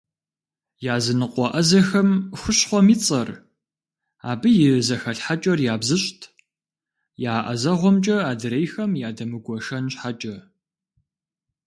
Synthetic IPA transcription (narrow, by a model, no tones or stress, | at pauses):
jaːzɨnɨqʼʷɔʔɐzɐxɐmxʷʊɕħʷɔmiːt͡sʼɐr | a̰ːbɨjɪzɐxɐɬħat͡ʃʼɐrjaːbzɨɕtʰ | jaːʔɐ̰zɐʁʷɔmt͡ʃʼɐaːdɨɾejxɐmjaːdɐmɨɡʷɔʃɐnɕħat͡ʃʼɐ